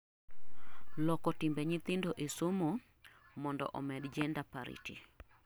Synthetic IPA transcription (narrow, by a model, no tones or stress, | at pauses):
lɔkɔtimbeɲɪt̪ɪndoʔesomo | mɔndɔ̰ʔɔmɛdd͡ʒɛndapa̰ɾḭtḭ